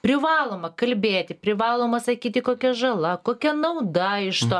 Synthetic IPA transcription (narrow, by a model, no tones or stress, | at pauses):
pʲɾʲɪʋɑːlˠoːmɐkɐlʲbʲeːt̪ʲɪpʲɾʲɪʋɑːlˠoːmɐsɐkʲiːt̪ʲɪkoːkʲɛʒɐlˠɐkoːkʲɛnɐʊd̪ɐɪʃt̪oː